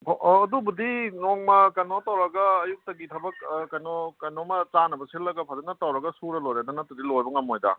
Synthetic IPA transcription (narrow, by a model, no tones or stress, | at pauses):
dubudinɔŋmɐkɐnotawɾɐɡɐːjuk̚tɐɡitʰɐbɐk̚kɐjnɔkɐnomɐt͡sanɐbɐsilːɐɡɐpʰazɐnɐtɐwɾɐɡɐsuɾɐlojɾedɐnɐtɐdilojbɐŋamojdɐ̰